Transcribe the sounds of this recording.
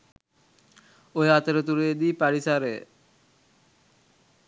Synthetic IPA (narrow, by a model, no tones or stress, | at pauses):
ojəat̪əɾət̪uɾejed̪iːpæɾisaɾəjə̰